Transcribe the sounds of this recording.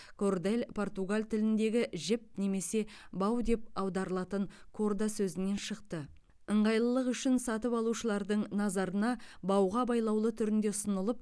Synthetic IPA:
kʰo̞rd̪elʲpʰo̞rt̪uɡalʲt̪ʰɪlɪnd̪e̞ɡʲɪʒɪp̚ne̞me̞se̞bɑwd̪e̞p̚ɑwd̪ɑɾəlˠɑt̪əɴkʰo̞rd̪asɵzɪne̞nʃəqt̪ə | əɴʁɑjlˠəlˠəqʏʃɪnsɑt̪əpɑlˠuʃəlˠɑɾd̪əɴnɑzɑɾənɑbɑwʁɑbɑjlˠɑwlˠət̪ʰʏɾɪnd̪e̞ʊsənəlˠəp̚

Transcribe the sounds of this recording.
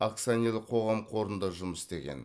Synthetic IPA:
ak̚t̪sanilˠəqʰo̞ʁɑmqʰo̞ɾənd̪ɑʒʊməsɪ̥st̪e̞ɡʲḛn

